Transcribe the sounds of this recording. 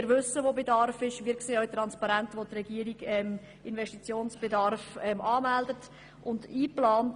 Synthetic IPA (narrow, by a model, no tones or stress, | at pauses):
ɾʋʏsːəʋoːbedɑrfɪʃʋiːɾkseːœɥt̪ɾɑnspɑɾæntʋot̪rɛɡiəɾiɡɛm | ɪnvɛʃtit͡sjoːnsb̥edɑɾfɛmʔɑːmældət | ʔʊndiːplɑːnt